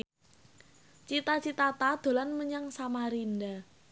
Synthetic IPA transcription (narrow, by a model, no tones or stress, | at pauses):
t͡ʃit̪at͡ʃit̪at̪ad̪̥o̤lanməɲaŋsamaɾind̪a